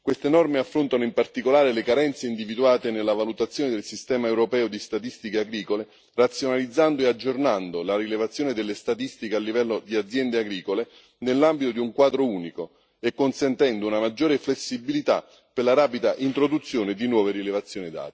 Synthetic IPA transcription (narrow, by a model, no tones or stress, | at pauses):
kwest̪enɔrmeafːɾont̪anoimpart̪ikolaːɾelekaɾɛnt̪seind̪ivid̪uaːt̪enelːavalut̪at̪sːjoːned̪elsist̪ɛːmaewɾopɛːod̪ist̪at̪ist̪ikeaɡɾiːkole | rat̪sːjonalid̪zːand̪oead͡ʒːornand̪olarilevat̪sːjoːned̪elːest̪at̪ist̪ikealːivɛlːod̪iad̪zjɛnd̪eaɡɾiːkole | nelːambit̪od̪iuŋkwaːd̪ɾouːniko | ekːonsɛnt̪ɛnd̪ounamad͡ʒːoːɾeflesːibilit̪a̰ | perlaɾaːpid̪aʔint̪ɾod̪ut̪sːjoːned̪inwɔːveɾilevat̪sːjoːnid̪a̰ːt̪e̥